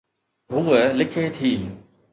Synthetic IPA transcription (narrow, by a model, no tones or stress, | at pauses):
ɦuʋəlɪkʰeːt̪ʰiː